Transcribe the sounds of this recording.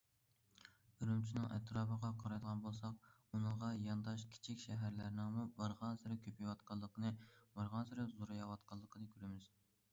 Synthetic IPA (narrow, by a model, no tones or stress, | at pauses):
yɾymt͡ʃʰinɪŋʔɛ̰t̪ʰɾɑːbəʁɑqʰɑɾɑjd̪əʁɑnbolˠsɑq̚unɨŋʁɑjɑnd̪ɑʃkʲʰi̥t͡ʃʰikʲʃɛɦæɾlæɾnɪŋmubɑɾʁɑnsɨɾɪkʲʰøpʰijwɑt̪qɑlˠːəqənɨbɑɾʁɑnsɨɾɨzuɾɑjɑwɑt̪qʰɑlˠːəqʰənɨkʲʰøɾɪmɪz̥